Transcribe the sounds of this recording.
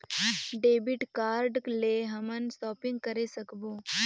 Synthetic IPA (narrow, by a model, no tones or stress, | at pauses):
ɖebiʈkaɾɖkleɦəmənsʈɔːpiŋɡ̚kəɾesəkbo